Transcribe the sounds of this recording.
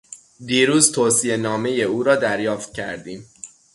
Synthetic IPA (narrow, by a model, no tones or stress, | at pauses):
d̪iːɾuːzt̪ʰoːsije̞nɒːme̞je̞uːɾɒːd̪æɾjɒːft̪̚cʰæ̰ɾd̪iːm